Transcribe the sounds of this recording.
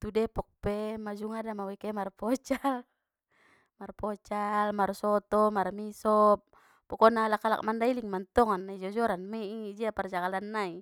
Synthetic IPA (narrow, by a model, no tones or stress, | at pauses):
t̪udɛpɔk̚pɛmad͡ʒuŋadamawɛkɛmarpɔt͡ʃal | marpɔt͡ʃalmarsɔt̪ɔmarmisɔp̚ | pɔkɔnalakːala̰k̚mandailiŋmant̪ɔŋanːaid͡ʒɔd͡ʒɔɾanmɛid͡ʒiapard͡ʒakalanːai